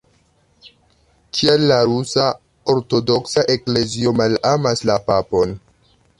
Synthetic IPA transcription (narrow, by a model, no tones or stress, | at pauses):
kʰialːaɾusa | o̞ɾto̞do̞ksaʔe̞kle̞zio̞malamaslapapo̞n